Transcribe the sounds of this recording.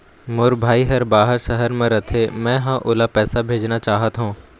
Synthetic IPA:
mʊɾbʱaːiɦɐɾbaːɦəɾʃɐɦəɾmẽɾɐt̪ʰemɛ̃ɦãʔʊlapɛːsabʱeːd͡ʒnat͡ʃaːɦət̪ɦũː

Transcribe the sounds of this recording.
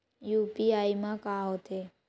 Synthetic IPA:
jupiaimãkaot̪ʰe

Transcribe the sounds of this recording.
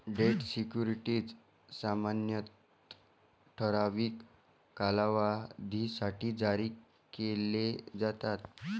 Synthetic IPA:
ɖeʈsikjuɾiʈiːt͡s | samanjət̪ | ʈʰəɾaʋiːkː | alaʋad̪ʱisaʈiːd͡zaɾiː | keled͡zat̪at̪

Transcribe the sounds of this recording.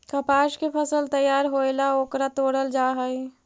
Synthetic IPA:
kɐpaːʃkepʰəsəlt̪əjːaːɾɦoːelaoːkɾat̪oːɽəld͡ʒaːɦəi

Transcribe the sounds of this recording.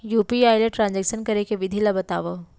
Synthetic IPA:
juːpiaːjleʈɾãːnd͡ʑɛːkʃənkɐɾekeʋɪd̪ʱilabɐt̪a̰ːʋo

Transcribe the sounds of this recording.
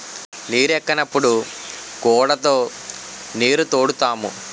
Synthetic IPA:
niːɾɛkːɐnɐpːuɽukɔːɽɐt̪o̞ː | niːɾut̪oːɽut̪aːmṵ

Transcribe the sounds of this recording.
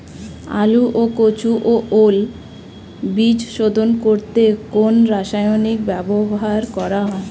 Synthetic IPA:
a̰luʔokot͡ɕuʔoʔol | bid͡ʑʃod̪ʱonkoɾt̪ekonɾaʃajonikbɛboɦaɾkɔɾaɦɔe

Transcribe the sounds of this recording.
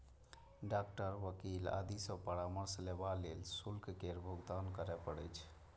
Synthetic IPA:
ɖak̚ʈəɾʋəkila̰d̪isəpəɾaməɾslebalelsulkkeɾbʱuɡd̪ankəɾɛpəɽəjt͡ʃʰ

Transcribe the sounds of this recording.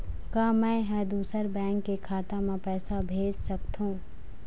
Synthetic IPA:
kaːmɛ̃ːɦɛːd̪uːsəɾbɛ̃ːŋkːekʰaːt̪amẽpɛːsabʱeːd͡ʒsɐkt̪ɦũː

